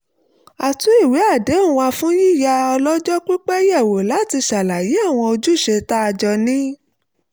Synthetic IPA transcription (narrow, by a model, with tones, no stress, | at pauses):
a˨tu˨˦i˦˨we˨˦a˦˨de˨˦ũ˦˧wa˧fũ˦ji˦˨ja˧ɔ˧lɔ˦d͡ʒɔ˦k͡pi˦k͡pɛ˦jɛ˦˨wo˨la˨˦ti˧ʃa˨la˨je˨˦a˦˨w̃ɔ̃˧o˧d͡ʒu˦ʃe˧ta˦a˧d͡ʒɔ˧nĩ˦